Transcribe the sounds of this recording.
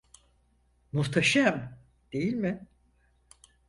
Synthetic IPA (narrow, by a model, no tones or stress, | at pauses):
muht̪ʰaʃam | d̪̥e̞jilʲmɪ